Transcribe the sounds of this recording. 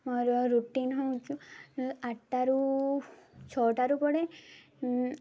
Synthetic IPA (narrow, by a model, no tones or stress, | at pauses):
mɔɾɾuʈinɦowt͡ʃʰuaʈːaɾu | t͡ʃʰɔʈaɾupɔɽe